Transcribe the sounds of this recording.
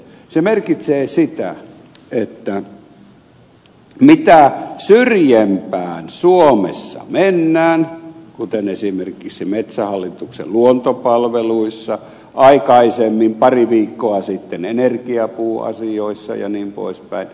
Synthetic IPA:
semerkit̪seːsit̪æ̰ | et̪ːæ | mit̪æsyrjempæːnsuomḛsːɑ̰menːæːnkut̪enesimerkiksimet̪sæhɑlːit̪uksḛlluont̪opɑlʋeluisːɑ | ʔɑikɑisemːimpɑriʋiːkːoɑsit̪ːenenerkiɑpuːɑ̰sioisːɑ̰jɑ̰niːmpo̰ispæ̰in

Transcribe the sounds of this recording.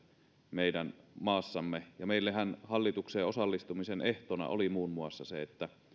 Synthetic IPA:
meidænmɑːsːɑmːejɑmeilːeɦænhɑlːit̪ukseːosɑlːist̪umiseneht̪onɑ̰ʔolimuːnmuɑsːɑseet̪ːæ

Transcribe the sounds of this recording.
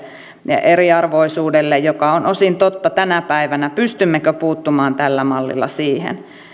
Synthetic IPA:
ʔeriɑrʋoisuːdelːejjokɑonʔosint̪ot̪ːɑt̪ænæpæiʋænæpyst̪ymːekøpuːt̪ːumɑːnt̪ælːæmɑlːḭlːɑ̰siːhḛn

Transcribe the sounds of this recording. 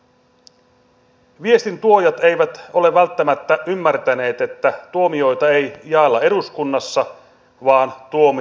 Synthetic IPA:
ʋie̞st̪int̪uo̞jɑt̪e̞jʋæt̪o̞le̞ʋælt̪ːæmæt̪ːæʔymːært̪æne̞ːt̪e̞t̪ːæt̪uo̞mio̞jt̪ɑe̞jjɑelːɑe̞ɾuskunːɑsːɑ | ʋɑːnt̪uom

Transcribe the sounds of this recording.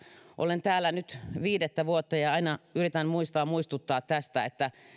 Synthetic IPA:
ʔo̰lent̪æːlːænyt̪ʋiːdet̪ːæʋuot̪ːɑjɑɑinɑyrit̪ænmuist̪ɑːmuist̪ut̪ːɑːt̪tæst̪æet̪ːæ

